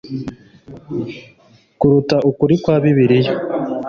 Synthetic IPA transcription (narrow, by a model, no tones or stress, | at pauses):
kuɾutaʔukuɾikwaːβiβiɾijo